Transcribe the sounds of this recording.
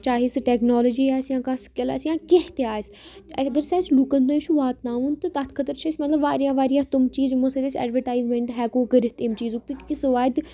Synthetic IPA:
t͡ʃaːɦiːsʈɛːknɔːləd͡ʒiːɛːsjãːkaskela̰sjãːkeɦt̪eaːs | ɐɡəɾsɛːslukə̃nd̪õːʃuʋaːt̪nãːũːnt̪ot̪ɐt̪ʰkʰət̪əɾt͡ʃʰːsmɐt̪ləbʋaːɾijãːʋaːɾijãːt̪ʊmt͡ʃiːzmosed̪esɛ̰ːɖʋəɾʈaːɪzmẽɳʈɦɛːkoːkəɾɪt̪emt͡ʃiːzukt̪ikɪsʋaːd̪

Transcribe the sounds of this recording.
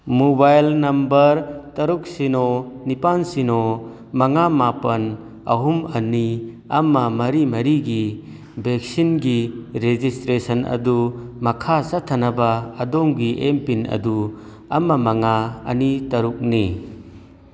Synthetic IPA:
mubajlnɐmbɐɾtɐɾuk̚sinɔnipansinɔ | mɐŋamapɐn | ɐɦumɐni | ɐmɐmɐɾimɐɾiɡi | bek̚sinɡiɾed͡ʒistɾesɐnɐ̰d̪umɐkʰasat̪ʰɐnɐbaːd̪ɔŋɡiʔempinɐ̰d̪u | ɐmɐmɐŋaɐ̰nitɐɾuk̚ni

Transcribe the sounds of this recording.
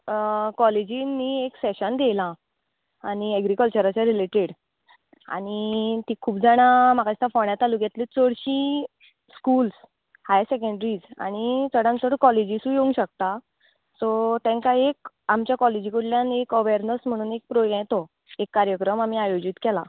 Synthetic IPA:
kɔled͡ʑinːieksɛɕənd̪elã | aɽ̃iəɡɾikəlt͡ɕəɾat͡ɕaɾileʈeɽ | a̰ɽ̃it̪iːkʰuːbd͡zaɽ̃am̤akat͡ɕt̪afoɳjat̪aluɡɛt̪let͡səɽɕĩ | skuːls | hajsɛkəɳɖɾiːd͡za̰ɽ̃it͡səɽãnt͡səɽkɔled͡ʑisũːjeũŋɡɕək̚t̪a | sɔt̪ẽŋkaek | amt͡ɕjakɔled͡ʑikuɽljãnekəʋeəɾnəsm̤əɽ̃uːnek̚pɾojãjt̪o | ekːaɾjəkɾəmam̤iajod͡ʑit̪kɛla

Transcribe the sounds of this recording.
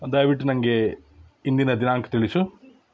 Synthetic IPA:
d̪ɐjʋiʈːunɐŋɡe̞ | ind̪inɐd̪inaːŋkʰɐ̥t̪iɭisu

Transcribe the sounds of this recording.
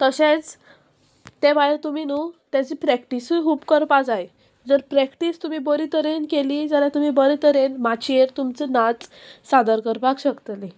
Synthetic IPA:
t̪əɕet͡s | t̪ebajɾt̪uminut̪jat͡ɕiːpɾɛkʈiskuːbkəɾpad͡zaj | d͡zəɾpɾɛkʈist̪um̤iːbəɾit̪əɾenkeliːd͡zaɾãt̪um̤iːbəɾit̪əɾenmat͡ɕʰieɾt̪umt͡senat͡ssad̪əɾkəɾpakɕəkt̪li

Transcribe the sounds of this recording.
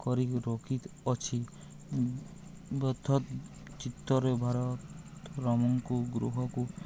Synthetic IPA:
kɔɾikɾɔkʰit̪ɔt͡ʃʰi | bɔt̪ʰːɔt̪ | t͡ʃit̪ːɔɾebʱaɾɔt̪ | ɾɔmɔŋkuɡɾṵɦɔku

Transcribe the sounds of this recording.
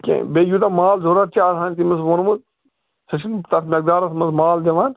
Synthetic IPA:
kʲḛbejuːt̪ɐmaːlzoːɾɐtt͡ʃaːɾɦaːnʲt̪imɐsʋɐnmu | sɐt͡ʃʰint̪ɐt̪mʲɐk̚d̪aːɾɐsmɐsmaːld̪eʋaːn

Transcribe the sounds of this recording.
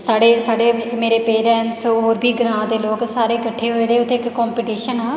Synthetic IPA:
saːɖeːsaːɖeːmeːɾeːpeːɾɛːnʈsoːɾbʱiːɡɾãːd̪eːloːksaːɾeːkəʈʰːeːɦoeːd̪eːʊt̪ːeːɪkkɔːmpiːʈiːʃənɦãː

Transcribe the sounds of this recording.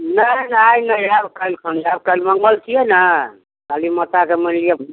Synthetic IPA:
nəjnəjnəjabkalkənab̚kalməŋɡəlt͡ʃʰiɛnə | kalimət̪akemənliə

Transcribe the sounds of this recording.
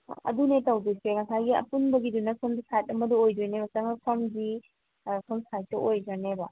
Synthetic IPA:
ɐ̰dunetawdujseŋɐsaɡiɐ̰punbɐɡidunɐkʰɔmsajt̚ɐmɐduojdujnebɐsɐŋapʰɐmɡi | kʰɯmsajtːɐojzanebɐ

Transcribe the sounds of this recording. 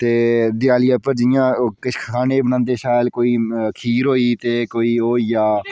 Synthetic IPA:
t̪eːd̪ɪjaːlɪaːpəɾd͡ʒɪjãːkɪt͡ʃʰkʰaːneːbənãːnd̪eːʃaːjlkoːiːkʰiːɾɦoːiːt̪eːkoːiːɦoːijaː

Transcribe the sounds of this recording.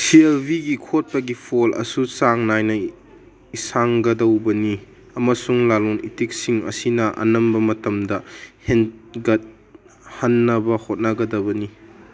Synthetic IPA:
sielbʱiɡikʰot̚pɐɡipʰolɐ̰susaŋnajnɐ | isaŋɡɐdɐwbɐni | ɐmɐsuŋlalonitik̚siŋɐ̰sinɐʔɐ̰nɐmbɐmɐtɐmdɐhenɡɐt̚ | hɐnːɐbɐhot̚naɡɐdɐbɐni

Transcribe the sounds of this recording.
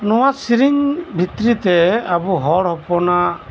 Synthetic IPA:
nɔwasiɾiŋbʱit̪ɾit̪ɛabuɦɔɽɦɔpɔna

